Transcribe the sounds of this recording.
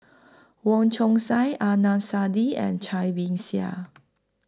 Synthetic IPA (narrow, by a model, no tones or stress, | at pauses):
wɔ̃nt͡ʃʰɔ̃ŋsajʔanãsadiɛ̰̃nt͡ʃʰajbĩŋsia̰